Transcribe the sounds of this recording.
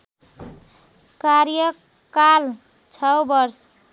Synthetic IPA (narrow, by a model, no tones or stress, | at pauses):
kaɾjə | kal | t͡ʃʰʌwbʌɾs